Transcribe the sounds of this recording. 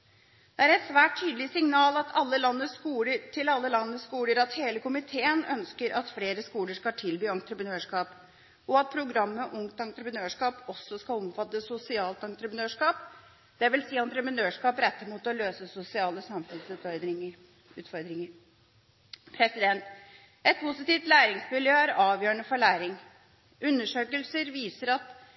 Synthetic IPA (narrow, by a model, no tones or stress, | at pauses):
d̪̥ɛæɾɛt̪sʋæːʈ̚ʰːyːd̪əlɪsɪŋnɑːlɑt̪ʰɑlːəlɑnːəskuːləʈʰɪlɑlːəlɑnːəskuːləɾɑt̪heːləkʰʊmɪt̪ʰeːənœ̰nskəɾʔɑt̪fleːɾəskuːləʂkɑt̪ʰɪlbyːɑnt̪ɾəpɾənøːʂkɑːp | ɔɑt̪̚pʰɾʊɡɾɑmːəʔʊŋt̪ɑŋt̪ɾəpənøːʂkɑːpɔsɔskɑlɔmfɑt̪ːəsʊsɪɑːlt̪ɑŋt̪ɾəpnøːʂkɑːp | d̪̥ɛʋɪlsiːɑnt̪ɾəpənøːʂkɑːpɾɛt̪ːəɾmuːt̪ɔløːsəsʊsɪɑːləsɑmfʉnsʉːt̪fɔɾd̪ɾɪŋə | ʉːt̪fɔɾd̪ɾɪŋəɾ | pʰɾɛsɪd̪ɛnt̪ | ɛt̪̚pʰusɪt̪iːʋt̪læːɾɪŋsmɪljøːæɾɑːʋjøːɳəfɔɭæːɾɪŋ | ʔʉnːəʂøːkəlsəɾʋiːsəɾɑt̪